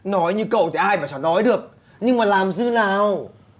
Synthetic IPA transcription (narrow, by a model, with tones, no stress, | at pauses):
nɔ˨˦jɲɨ˧kə̰˧˨wt̪ʰi˨˩ʔaː˧jmaː˨˩t͡ɕɔ˧˩˦nɔ˨˦jɗɨ˨˩ək̚ | ɲɨ˧ŋmaː˨˩laː˨˩mzɨ˧naː˨˩w